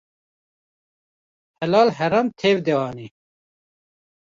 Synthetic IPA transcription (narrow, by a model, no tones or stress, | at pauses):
hɛlɑːlɦɛɾamt̪ʰeːvd̪eɑːni